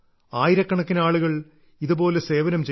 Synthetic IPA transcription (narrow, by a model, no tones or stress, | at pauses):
aːjiɾɐkːɐɳɐkːinaːɭuɣɐɭ | iðubo̞ːlese̞ːʋɐnɐmt͡ɕe